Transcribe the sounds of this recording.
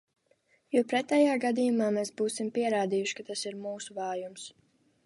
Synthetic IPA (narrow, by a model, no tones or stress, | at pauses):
jɔwpɾɛt̪ɛjaːɡad̪ijumaːmeːsbuːsimpiɛɾaːd̪ijuʃkat̪asiɾmuːsuvɑːjums